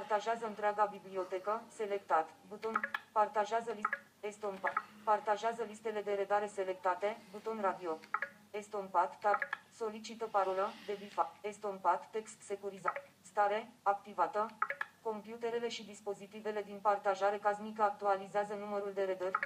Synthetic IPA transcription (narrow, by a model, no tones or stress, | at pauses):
part̪aʒeazəɨnt̪ɾeaɡabiblio̞t̪e̞kəse̞le̞kt̪at̪but̪o̞npart̪aʒeazəli | est̪onpapart̪aʒeazəlist̪e̞le̞d̪e̞ɾe̞d̪aɾe̞se̞le̞k̚t̪at̪e̞but̪o̞nrad̪io̞ | est̪onpat̪ːaso̞lit͡ʃit̪əpaɾoləd̪e̞bifaest̪onpat̪ːe̞kst̪se̞kuɾiza | st̪aɾe̞ak̚t̪ivat̪əko̞mpjut̪e̞ɾe̞le̞ʃid̪ispo̞zit̪ive̞le̞d̪inpart̪aʒaɾe̞kazmik̬əak̚t̪ualizeazənuməɾuld̪e̞ɾe̞d̪ərʲ